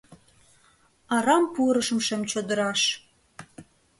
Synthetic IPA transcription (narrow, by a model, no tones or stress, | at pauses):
ɑɾɑmpuɾəʃə̆mʃemt͡ɕod̪ə̆ɾɑʃ